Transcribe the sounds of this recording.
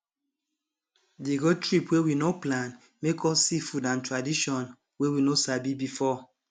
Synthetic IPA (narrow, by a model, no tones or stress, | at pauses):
deɡotɹipwewinoplãn | mekʰɔsifudãntɹadiʃɔn | wewinosabibifɔ